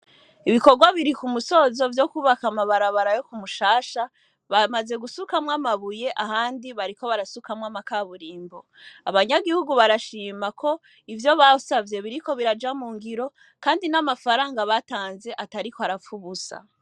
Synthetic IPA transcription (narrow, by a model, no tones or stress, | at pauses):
iβiko̞ɾɡwaβiɾikumuso̞zo̞vjo̞kuːβakamaβaɾaβaɾajo̞kumuʃaːʃa | βamaze̞ɡusukamŋamaβuje̞ʔahaːndiβaɾiko̞βaɾasukamŋamakaβuɾiːmbo̞ | aβaɲaɡihuɡuβaɾaʃiːmakʰo̞ | ivjo̞βausavje̞βiɾiko̞βiɾad͡ʒamuːŋɡiɾo̞ | kaːndinamafaɾaːŋɡaβataːnze̞ʔataɾikoaɾafuβusa̰